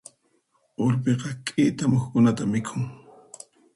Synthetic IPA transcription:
oɾpeqɑkʼɪt̪amoχkʊnat̪amɪkʰʊŋ

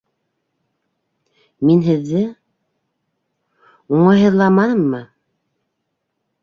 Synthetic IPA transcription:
minɦɘ̆ðːɘ | uɴɑjɦɤ̆ðlˠɑmɑnɤmːɤ

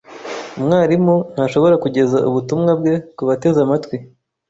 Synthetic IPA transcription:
umŋaːɾimun̥haʃo̞βo̞ɾakuɟe̞zaʔuβutumŋab̚ɡe̞kuβate̞zamatwi

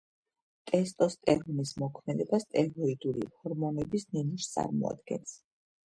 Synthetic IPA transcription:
t̪ʼɛst̪ʼɔst̪ʼɛɾvnismɔkʰmɛd̪ɛbast̪ʼɛɾɔid̪ulḭhɔɾmɔnɛbisninuʃt̪sʼa̰ɾmɔ̰a̰d̪̚ɡ̥ɛ̰ns

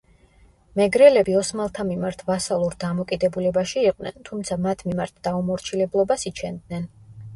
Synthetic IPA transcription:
mɛɡɾɛlɛbiɔsmalˠt̪ʰamimaɾt̪ʰvasalˠuɾd̪amɔkʼid̪ɛbulɛbaʃiːqʼnɛ̰nt̪ʰumt̪sʰamat̪ʰmimaɾt̪ʰd̪̥aumɔɾt͡ʃʰilɛblˠɔbasit͡ʃʰɛnd̪nɛn

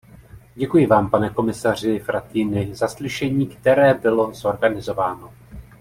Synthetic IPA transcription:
ɟɛkujɪvaːmpanɛko̞mɪsar̝ɪfɾat̪iːnɪzaslɪʃɛɲiːkt̪ɛɾɛːbɪlo̞zo̞ɾɡanɪzo̞vaːno̞

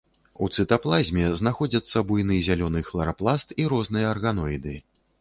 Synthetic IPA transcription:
ṵt̪sɨt̪aplˠazʲmʲɛznaxɔd͡zʲɐt̪sːɐbujnɨjzʲalʲɔnɨxlˠɐɾaplˠast̪iɾɔznɨjɐːrɣanɔjd̪ɨ

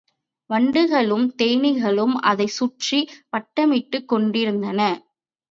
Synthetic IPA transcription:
ʋɐɳɖɯɣɐɭɯmt̪ejnɪɣɐɭɯmɐ̰ðɐɪsʊʈripɐʈːɐmɪʈːɯkːɔɳɖɪɾɯnd̪ɐnɐ

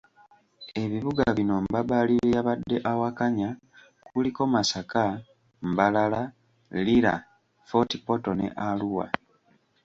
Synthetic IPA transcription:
e̞βiβuɡaβino̞mbabaliɾejaβadːe̞ʔawakaɲa | kuliko̞masaka | mbalala | liɾa̰ | fo̞tipo̞to̞nḛʔaluwa̰

